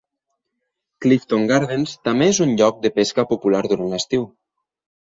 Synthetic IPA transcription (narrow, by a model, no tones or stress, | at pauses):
klift̪oŋɡaɾðenst̪ameezunʎɔk̚d̪əpeskapupulaɾðuɾanləst̪iw